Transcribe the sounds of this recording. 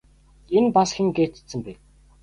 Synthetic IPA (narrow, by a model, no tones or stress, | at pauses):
enpasxʲĭŋɡeːt̪̆sɘ̆mpe